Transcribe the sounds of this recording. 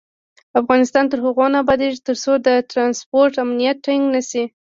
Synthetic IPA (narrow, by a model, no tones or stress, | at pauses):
afɣɑnɪst̪ɑnt̪əɾhaɣonabɑd̪eʒt̪əɾsod̪ət̪ɾɑnspoɾʈamnijat̪̚ʈaŋɡnasi